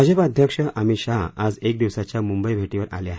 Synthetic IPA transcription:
əd͡ʑəpad̪ʱjəkʂəʔamiɕaad͡zek̚d̪iʋsat͡ɕjamumbəjbʱeʈiʋəɾa̰ljaɦe

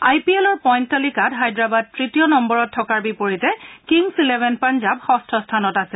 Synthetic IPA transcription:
ajpiɛlɔɹpɔjntalikadɦajdɹabad̚tɹitijɔnɔmbɔɹɔtʰːɔkaɹbipoɹitɛkiŋsilɛbɛnpanzabxɔstʰɔstʰanɔtasɛ

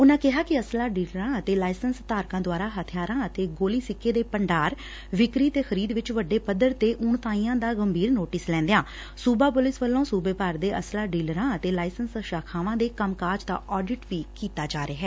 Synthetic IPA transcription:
ʊnãːkɪɦaːkɪəslaːɖiːləɾãːət̪eːlaːɪsənst̪aːɾkãːd̪waːɾaːɦət̪ʰɪjaːɾãːət̪eːɡoːliːsɪkːeːd̪eːpəɳɖaːɾ | ʋɪkɾiːt̪eːxəɾiːd̪ʋɪt͡ʃʋəɖːeːpəd̪əɾt̪eːʔʊɳt̪ãːĩːãːd̪aːɡəmbʱiːɾnoːʈɪslɛ̃ːnd̪ejãː | suːbaːpʊlɪsʋəlːõːsuːbeːpaɾd̪eːʔəslaːɖiːləɾãːət̪eːlaːɪsənsəʃaːkʰaːʋãːd̪eːkəmkaːd͡ʒd̪a̰ːʔɔːɖɪʈʋiːkiːt̪aːd͡ʒaːɾeːɦɛː

